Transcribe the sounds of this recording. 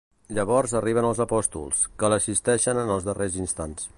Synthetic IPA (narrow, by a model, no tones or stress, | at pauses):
ʎəβɔɾzəriβənəlˠzəpɔst̪ṵlˠskələsist̪ɛʃənənəlˠzðərezinst̪ans